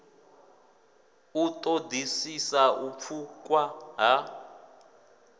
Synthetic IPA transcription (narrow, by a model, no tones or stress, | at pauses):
utʼodʱisisaʔup̪fʰukʼwaɦa